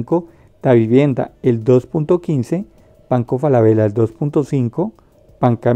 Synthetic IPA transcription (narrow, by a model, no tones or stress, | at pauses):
ŋko | t̪aβiβje̞nd̪a̰eld̪o̞spunt̪okinse̞ | paŋkofalaβelaeld̪o̞spunt̪osiŋko | paŋka